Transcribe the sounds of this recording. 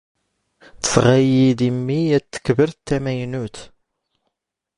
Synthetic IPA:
θə̥sʁæjid̪imːiæt̪ːə̥kːvəɾt̪ːæmæjnut̪

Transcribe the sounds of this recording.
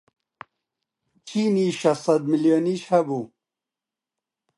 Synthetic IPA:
t͡ɕʰiniʃɐsɐd̪̚miljoniɕhɐbu

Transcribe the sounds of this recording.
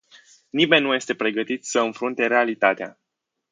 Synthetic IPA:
nime̞nʲːuje̞st̪e̞pɾe̞ɡət̪it̪səɨnfɾunt̪e̞ɾe̞alit̪at̪ea̰

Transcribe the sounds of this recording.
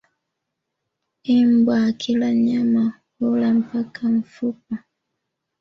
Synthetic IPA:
imbwakʰilaɲama | hulam̩pakʰaɱ̩fup̚a

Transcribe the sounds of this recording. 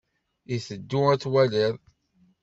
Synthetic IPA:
iθəd̪ːuæt͡sːwæliðˤ

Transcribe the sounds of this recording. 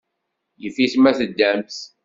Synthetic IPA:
jəfismæθəd̪ːæmθ

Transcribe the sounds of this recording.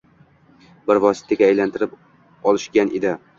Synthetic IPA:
bɪɾvɒsɪ̥t̪ʰaɡʲaːjlant̪ʰɪɾɪp | ɒlˠɪʃɡʲanʔed̪ɪ

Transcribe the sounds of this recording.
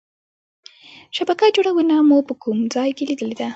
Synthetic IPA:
ʃabakad͡ʒoɽawənamupəkumd͡zɑjkelid̪əled̪a

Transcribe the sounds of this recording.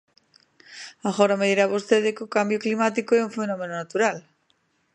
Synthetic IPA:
aɣoɾameðiɾaβost̪eðekokambjoklimat̪ikoɛuɱfenõmẽnonat̪uɾal

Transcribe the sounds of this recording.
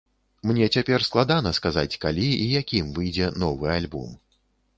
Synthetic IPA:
mnʲɛt͡sʲapʲɛrsklˠad̪anɐskazat͡sʲkalʲiijakʲimvɨjd͡zʲɛnɔvɨalʲbɔ̰m

